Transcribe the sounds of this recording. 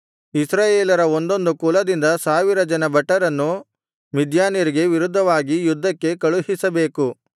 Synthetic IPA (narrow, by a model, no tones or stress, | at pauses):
isɾaːjeːlɐɾɐo̞nd̪o̞nd̪ukulɐd̪ind̪ɐsaːʋiɾɐd͡ʒɐnɐbɐʈːɐɾɐnːu | mid̪jaːnjɐɾiɡe̞ʋiɾud̪ʱːɐʋaːɡijud̪ʱːɐkːe̞kɐɭuɦisɐbe̞ːku